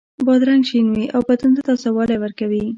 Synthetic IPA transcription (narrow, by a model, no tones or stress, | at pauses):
bɑd̪ɾaŋɡʃinwiʔawbat̪und̪at̪ɑsawɑlewəɾkawi